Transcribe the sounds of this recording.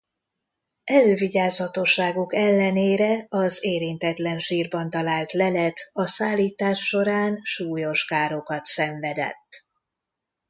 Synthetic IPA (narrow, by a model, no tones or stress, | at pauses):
ɛløːviɟaːzɒt̪oʃːaːɡukɛlːɛneːɾɛɒzeːɾint̪ɛt̪lɛnʃiːrbɒnt̪ɒlaːlt̪lɛlɛt̪ɒsaːlːiːt̪aːʃːo̞ɾaːnʃuːjo̞ʃkaːɾo̞kɒt̪sɛɱvɛd̪ɛ̰t̪ː